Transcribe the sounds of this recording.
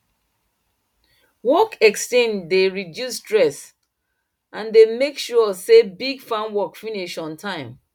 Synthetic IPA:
wɔkɛkstẽndeɹidjustɹɛs | ʔãndemekʃɔsebiɡfãnwɔkfiniʃɔ̃ntʰãɪ̃m

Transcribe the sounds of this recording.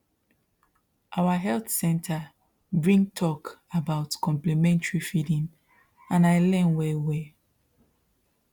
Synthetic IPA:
ʔawaɦɛlθsɛ̃ntʰa | bɹĩŋtʰɔkabaʊtkɔ̃mplɛmɛ̃ntɹifidĩn | ãnaɪlɛ̃nwɛwɛ

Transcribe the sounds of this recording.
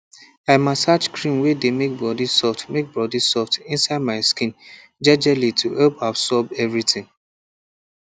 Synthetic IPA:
aɪmastat͡ʃkɹĩnwedemek̚bɹɔdisɔftmek̚bɹɔdisɔftĩnsaɪd̚maɪskĩn | d͡ʒɛd͡ʒɛlitʰuɛlpabsɔbɛvɹitɪ̃ŋ

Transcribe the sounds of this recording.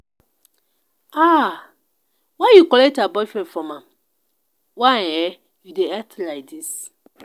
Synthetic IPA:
a | wajukɔlɛk̚tabɔfɹɛ̃nfɔ̃mãm | waɛ | judeɛtlak̚dis

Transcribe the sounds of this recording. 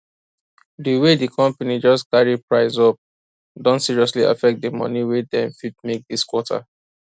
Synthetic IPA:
diwedikʰɔ̃mpanid͡ʒɔskaɹipɹaɪzɔp̚ | dɔ̃ntsiɹiɔslia̰fɛk̚dəmɔ̰niwedɛ̃mfit̚mek̚diskwɔtʰa̰

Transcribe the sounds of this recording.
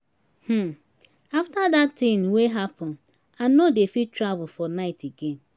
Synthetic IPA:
h̩ | aftadatːĩnweɦapʰɔ̃n | anodefitɾavʊfɔnaɪtʰeɡẽn

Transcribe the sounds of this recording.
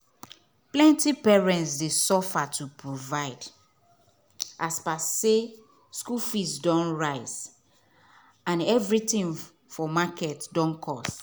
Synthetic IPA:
plɛ̃ntipɛɹɛ̃ntsdesɔfatʰupɹovaɪd | ʔaspase | skufisdɔ̃nɹaɪz | ãnɛvɹitĩn | fɔmakɛtdɔ̃nkʰɔs

